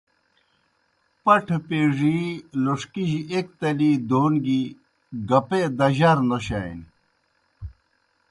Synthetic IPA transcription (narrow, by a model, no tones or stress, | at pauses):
pɐʈʰpeːʐiloʂkiʑiek̚t̪ɐliːd̪oːnɡi | ɡɐped̪ɐʑɐɾnoɕa̰jn